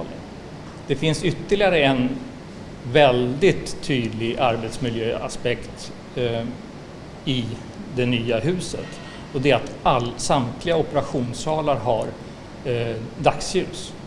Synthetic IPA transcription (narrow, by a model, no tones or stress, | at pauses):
lə̰ | d̪̥ɛfɪnsʏt̪ːəɭɪaɾəɛn | vɛld̪ɪt̪ʰːyːd̪lɪɡaɾbɛt̪smɪljøːa̰spɛkt̪ | ɪ | d̪ɛnyːaɦʉ̟ːsə̰t̪ | ɔd̪ɛat̪alsamt̪ʰlɪɡaɔpəɾaɧuːnsɑːlaɾɦaɾ | d̪aksjʉ̟ːs